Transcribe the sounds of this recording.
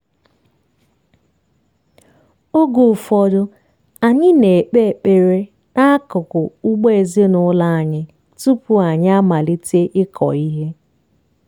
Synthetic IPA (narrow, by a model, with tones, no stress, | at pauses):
o˦ɡo˨fɔ˨dʊ˦ | a˨ɲɪ˦ne˨k͡pe˦˨k͡pe˨ɾe˦ | na˦a˦kʊ˨kʊ˨ʊ˦ɡ͡be˦e˨zi˦e˦nʊ˦la˦a˨ɲɪ˦ | tu˦pʊ˨a˨ɲ˦a˦ma˨li˦te˦ʔɪ˦kʰɔ̰˨i˦ɦe˦